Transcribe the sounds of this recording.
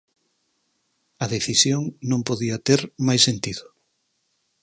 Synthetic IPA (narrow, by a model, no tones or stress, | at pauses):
ɐðeθisjoŋnõmpoðiɐt̪eɾmajsent̪iðʊ